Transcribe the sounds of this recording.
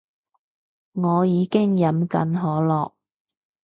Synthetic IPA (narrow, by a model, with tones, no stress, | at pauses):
ŋɔː˨˧jiː˨˧kɪ˥ŋjɐ˨˥mkɐ̰˨˥nɦɔː˨˥lɔː˨k̚